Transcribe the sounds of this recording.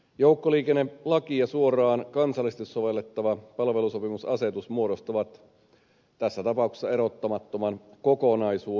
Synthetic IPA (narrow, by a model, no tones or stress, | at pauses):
jouwkːoliːkenːelɑkiɑsuorɑːnkɑnsɑlːˑist̪esːoʋe̞lːet̪ːɑʋɑpɑlʋe̞luso̞pimusɑse̞t̪usmuoɾost̪ɑʋɑt̪ | t̪æsːæt̪ɑpɑukse̥sːɑe̞ɾo̞t̪ːɑmɑt̪ːomɑnkokonɑisuː